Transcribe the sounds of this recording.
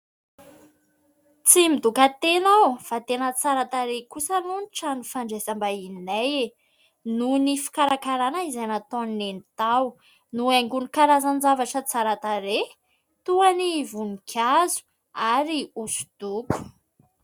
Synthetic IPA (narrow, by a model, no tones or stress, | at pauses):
t͡simid̪ukat̪enawfat̪enət͡saɾat̪aɾekusənunʈ͡ʂanifaɳɖ͡ʐezambainaje | nunifi̥kaɾakaɾanaizajnat̪oninenit̪aw | nuaŋɡunikaɾazand͡zavaʈ͡ʂət͡saɾat̪aɾe | t̪uanivunikʲʰazu̥ | aɾiusu̥d̪̥uku̥